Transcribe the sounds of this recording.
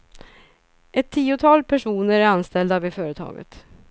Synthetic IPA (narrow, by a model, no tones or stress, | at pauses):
ʔɛt̪ʰːiːʊt̪ʰɑːlpʰæʂuːnəɾæɾanst̪ɛld̪avɪfœːɾət̪ʰɑ̰ːɡə̰t̪